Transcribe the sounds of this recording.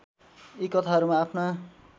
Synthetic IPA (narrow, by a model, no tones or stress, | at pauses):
ikːʌt̪ʰaɦʌɾumaːpʰna